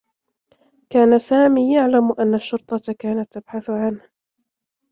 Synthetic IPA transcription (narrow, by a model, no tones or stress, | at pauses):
kaːnasaːmiːjaʕlamʔanːaʃːʊɾt̪ˤɑkaːnat̪ːab̥ħaθʊʕanh